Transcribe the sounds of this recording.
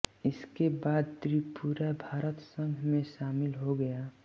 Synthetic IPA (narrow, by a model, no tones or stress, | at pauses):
ɪskebaːd̪̚t̪ɾipuɾabʱaːɾət̪sə̃ŋɡʱmẽʃaːmɪlɦoɡɐjaː